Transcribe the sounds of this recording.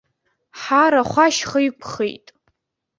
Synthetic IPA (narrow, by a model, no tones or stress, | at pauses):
ħaɾaχʷaʃχajkʷʰχḛjtʼ